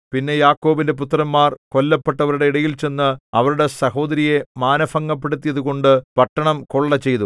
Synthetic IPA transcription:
pinːe̞jaːkːo̞ːbindep̬ut̪ːrɐmːaːrko̞lːɐpːe̞ʈːɐʋɐɾuɽeiɽɐjilt͡ɕe̞nːɨɐʋɐɾuɽe̞sɐho̞ːd̪ɐɾije̞maːnɐfɐŋːɐpːe̞ɽut̪ːijɐðuɣo̞ɳɖɨpɐʈːɐɳɐmko̞ɭːɐt͡ɕːe̞jt̪u

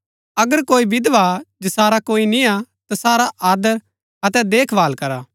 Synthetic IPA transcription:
ɐɡəɾkoːibɪd̪ʋad͡ʒɐsaːɾakoːinĩat̪asaːɾaʔaːd̪əɾ | ɐt̪ɛd̪eːkʰbaːlkɐɾaː

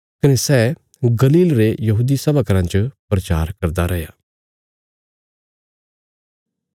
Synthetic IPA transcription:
kɐnesɛː | ɡɐliːlɾejɐɦuːd̪isɐbəkɾãt͡ʃəpɾɐt͡ʃaːɾkɐɾd̪aɾɐɦjaː

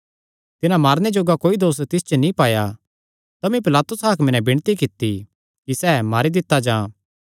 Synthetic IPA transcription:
t̪ɪnãmaːɾned͡ʒoːɡakoːid̪oːst̪ɪst͡ʃonĩpaːja | t̪ɐmĩp̬ɪlaːt̪ʊsɦaːkʰmɪnɛ̃bɪɽ̃t̪ikɪt̪ːi | kisɛːmaːɾid̪ɪt̪ːad͡ʒãː

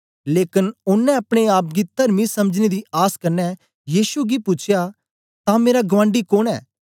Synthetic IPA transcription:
leːkɪnʊnːɛ̃ɐpɽ̃eaːp̚ɡit̪ɐɾmisɐməd͡ʒned̪iaːskɐɾnɛ | jiːʃuɡipʊt͡ʃʰɪja | t̪ãmeːɾaɡɐʋãːɳɖikoːɽ̃ɛ̰ː

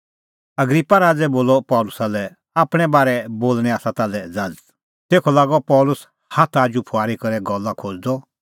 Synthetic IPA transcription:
ɐɡɾipːaɾaːd͡zɛboːlɔpɔːlʊsalɛ | aːpɽ̃ɛbaːɾɛboːlɽ̃ɛaːsat̪alɛd͡zad͡z | t̪eːkʰɔlaːɡɔpɔːlʊs | hat̪ʰaːd͡ʒupʰʊaːɾikɐɾɛɡɔlːakʰoːd͡zd̪ɔ

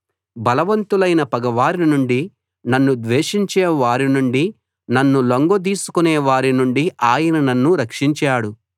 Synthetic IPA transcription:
bɐlɐʋɐnt̪ulɐjnɐpɐɡɐʋaːɾinuɳɖi | nɐnːud̪ʋeːʂiɲt͡ʃɛːʋaːɾinuɳɖi | nɐnːuloŋɡod̪̬iːsu̥kuneːʋaːɾinuɳɖiʔaːjɐnɐnɐnːuɾɐkʂiɲt͡ʃaːɽu

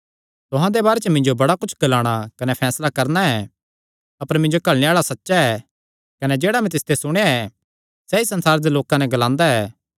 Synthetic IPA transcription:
t̪ʊɦãd̪ebaːɾet͡ʃmɪ̃ɲd͡ʒobɐɽakʊt͡ʃʰɡɐlaːɽ̃akɐnɛpʰɛːslakɐɾnaɛ | ɐpəɾmɪ̃ɲd͡ʒokɐɭneaːɭasɐtːʃaɛː | kɐnɛd͡ʒeːɽamɛ̃t̪ɪst̪esʊɽ̃ejaɛ | sɛisɐ̃nsaːɾed̪eloːkãnɛ̃ɡɐlãːnd̪aɛː

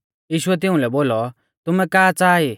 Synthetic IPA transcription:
jiːʃʊɛt̪̬ɪũlɛboːlɔ | t̪ʊmɛkaːt͡saːi

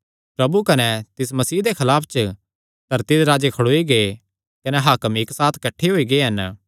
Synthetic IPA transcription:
pɾɐbukɐnɛt̪ɪs̬mɐsiːɦd̪ekʰɐlaːpʰt͡ʃə | d̪̥ʱɐɾt̪id̪eɾaːd͡ʒekʰɐɽoːiɡee | kɐnɛɦaːkəmɪksaːt̪ʰkɐʈʰːeɦoːiɡeɦɐn

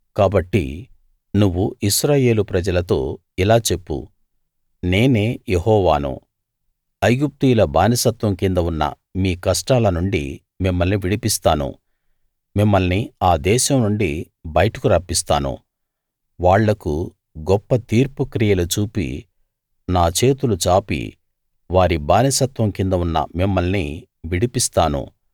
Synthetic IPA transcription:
kaːbɐʈːḭ | nuʋːuʔiʃɾaːje̞ːlupɾɐd͡ʒɐlɐt̪o̞ː | ilaːt͡ʃe̞pːṵ | ne̞ːne̞ːjeɦɔːʋa̰ːnṵ | ɐjɡup̚t̪iːlɐbaːnɐsɐt̪ʋɐmkind̪ɐunːɐ̰ | miːkɐʂʈaːlɐnuɳɖḭ | mimːɐlniʋiɽipist̪aːnṵ | mimːɐlniaːd̪ɛːʃɐmnuɳɖi | bɐjɐʈɐkuɾaːpːist̪aːnṵ | ʋaːɭːɐku | ɡɔpːɐt̪iːɾpukɾijɐlut͡ʃuːpḭ | naːt͡ʃe̞ːt̪ulut͡ʃaːpḭ | ʋaːɾibaːnisɐt̪ʋɐmkind̪ɐunːɐ̰mimːɐlnḭ | ʋiɽipist̪aːnṵ

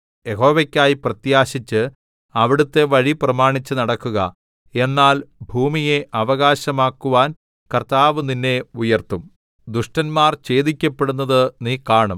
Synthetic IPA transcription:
je̞ɦo̞ːʋɐkʲːaːjiprɐt̪jaːɕit͡ɕːɨ | ɐʋiɽut̪ːe̞ʋɐɻiprɐmaːɳit͡ɕːɨnɐɽɐkːuɣɐ | e̞nːaːlbʱuːmije̞ʔɐʋɐɣaːɕɐmaːkːuʋaːn | kɐrt̪aːʋɨninːe̞ujɐrt̪um | d̪uʂʈɐnmaːrt͡ɕe̞ːðikʲːɐpːe̞ɽunːɐðɨniːkaːɳɐm

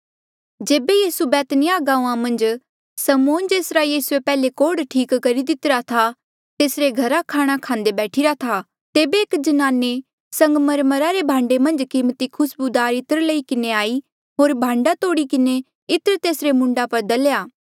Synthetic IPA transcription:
d͡ʒeːbejiːsubɛːt̪nɪjaɡãːuãmɐ̃nd͡ʒ | sɐmoːnd͡ʒeːsɾajiːsuepɛːlekoːɽʈʰiːkkɐɾid̪ɪt̪ɾat̪ʰa | t̪eːsɾeɡʱɐɾakʰaːɽ̃akʰãːnd̪ebɛːʈʰiɾat̪ʰa | t̪eːbeːkd͡ʒənaːnːe | sɐ̃ŋɡməɾməɾaɾebʱãːɳɖemɐ̃nd͡ʒkiːmt̪ikʰʊsbud̪aːɾɪt̪əɾlɐikɪneaːi | ɦoːɾbʱãːɳɖat̪oːɽikɪne | ɪt̪əɾt̪eːsɾemʊ̃ɳɖapɐɾd̪ɐljaː

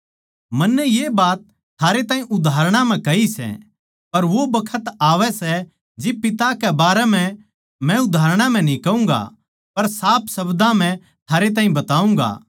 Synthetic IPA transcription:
mɐnːɛjebaːt̪ | t̪ʰːaːɾet̪ãːĩʔʊd̪ʱaːɾɽ̃ãm̤ɛ̃kɐisɛ̰ | pɐɾʋobɐkʰət̪aːʋɛsɛ | d͡ʒɪpɪt̪akɛbaːɾɛm̤ɛ̃ | mɛ̃ʊd̪ʱaːɾɽ̃ãm̤ɛ̃nĩkɐũːŋɡa̰ | pɐɾsaːpʰsɐbd̪ãm̤ɛ̃ | t̪ʰaːɾet̪̬aːĩbɐt̪aːũːŋɡa̰ː

